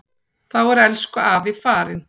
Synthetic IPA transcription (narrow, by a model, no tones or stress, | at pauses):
θawɛɾɛlskʏaːvɪfaːɾɪn